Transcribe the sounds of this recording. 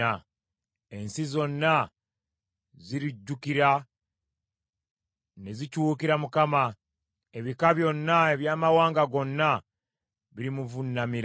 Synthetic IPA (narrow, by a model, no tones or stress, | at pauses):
a | e̞nsizo̞nːa | ziɾiɟːukiɾa | ne̞zicuuːkiɾamukama | e̞βikaβjo̞nːaeβjaːmawaːŋɡaɡo̞nːa | βiɾimuvunːamiɾ